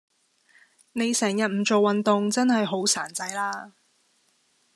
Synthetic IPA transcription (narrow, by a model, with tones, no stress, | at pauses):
ne˨˧jsɛː˨˩ŋjɐ˨t̚m̩˨˩t͡ʃo˨wːɐ˨nt̪ʊ˨ŋt͡sɐ˥nhɐ˨jɦo˨˥wsaː˨˩nt͡sɐ˧jlaː˥